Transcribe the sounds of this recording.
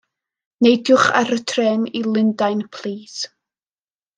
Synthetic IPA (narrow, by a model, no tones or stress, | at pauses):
nejdjʊχa̰ɾətʰrɛnilˠɪndajnpʰl̥ˠiːs